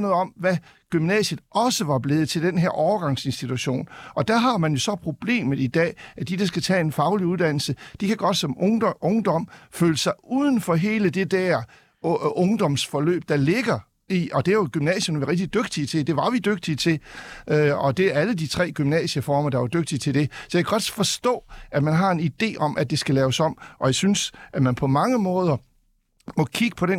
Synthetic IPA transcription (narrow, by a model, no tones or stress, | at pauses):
nɔ̽ːð̩ˠɒ̽mʋæ | ɡ̥ymnɛ̰ːɕəðˠɒ̽səʋɑ̈b̥le̝ːð̞̩ˠt͡sʰe̝ld̥enɦeɐʔɒʊɐɡ̥ɑ̈ŋse̝nsd̥it͡sʰuɕo̝̰ːnɒ̽d̥æɦɑ̈mænjo̝sɒ̽pʰʁo̝b̥le̝̰ːmð̩ˠid̥ɛ̰ːæd̥id̥ɑ̈sɡ̥æt͡sʰɛ̰ːe̝nfɑ̈ʊliuðˠd̥æn̰l̩səd̥ikʰæɡ̥ɒ̽d̥sɒ̽mɔŋɔŋd̥ɒ̽m̰føːləsɑ̈ɪuðˠən̩fɒ̽ɦe̝ːləd̥e̝d̥æɐ | ɔ̽ŋd̥ɒ̽msfɒ̽lø̰ːb̥̚d̥ɑ̈le̝ɡ̥ɐ | iɒ̽d̥e̝æɐjoɡ̥ymnɛ̰ːɕənʋiʁɛɡ̥̚d̥id̥øɡ̥̚d̥iət͡sʰe̝d̥e̝ʋɑ̈ʋid̥øɡ̥̚d̥iət͡sʰe̝lʔøɒ̽d̥e̝æɐælədit͡sʰʁɛ̰ːɡ̥ymnɛ̰ːɕəfɒːmɐd̥ɑ̈ʋɑ̈d̥øɡ̥̚d̥iət͡sʰe̝ld̥e̝sɒjakʰæɡ̥ɒ̽d̥fɒ̽sd̥ɔ̰̽ːæmænɦɑ̈e̝nid̥e̝̰ːɒ̽m̰ʔæd̥e̝sɡ̥ælɛːʊsɒ̽m̰ʔɒ̽jäɪsynsʔæmænpʰɒ̽mɑ̈ŋəmɔ̽ːð̞ˠɐ | mɒ̽kʰiɡ̥əpʰɒ̽de